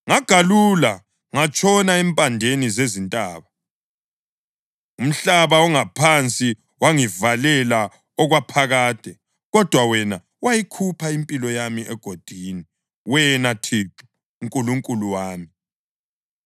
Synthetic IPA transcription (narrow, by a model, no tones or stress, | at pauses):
ŋaɡ̥ʱalula | ŋat͡ʃʼɔnaɛmpʼandʱenizezintʼaːβa | um̩ɬaβaɔŋapʰant͡sʼi | waŋivalɛla | ɔɣwapʰaɣaːd̥ʱʼɛ | ɣɔd̥ʱwawɛna | wajikʰupʰaimpʼilɔjamiʔɛɡ̥ʱod̥ʱiːni | wɛnatʰitʰu̥ː | ŋkʼuluŋkʼuluwaːmi